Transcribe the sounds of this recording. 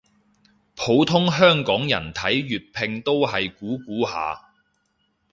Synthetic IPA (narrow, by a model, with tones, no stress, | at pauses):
pʰo˨˧˥wt̪ʰʊ˥ŋɦœː˥ŋkɔː˨˥ŋjɐ̰˨˩nt̪ʰɐ˨˥jɥyː˨t̚pʰɪ˧ŋt̪o˥wɦɐ˨jkuː˨˥kuː˨˥ha̰ː˨˧